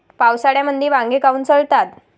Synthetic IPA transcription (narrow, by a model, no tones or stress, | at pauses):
pawsaɽjaməd̪ʱːiʋãŋɡekauːnt͡səɭt̪at̪